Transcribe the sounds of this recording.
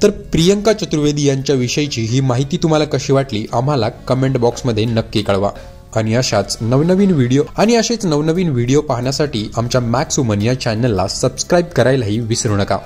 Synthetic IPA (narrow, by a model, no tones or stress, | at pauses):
t̪əɾpɾijəŋkat͡ɕət̪ɾuʋed̪ijaɲt͡ɕjaʋiɕəjt͡ɕiːɦiːmaɦit̪iːt̪um̤alakəɕiːʋaʈliːʔam̤alakəmeɳʈbɔksməd̪ʱːjenəkːikəɭʋa̰ | aɽ̃iəɕat͡snəʋnəʋiːnʋiɽijoaɽ̃iəɕet͡snəʋnəʋiːnʋiɽijopaɦɳjasaʈiːʔamt͡ɕjamæksumənjat͡ɕænelːa̰səbskɾajbkəɾajlaɦiːʋisɾuɳəka̰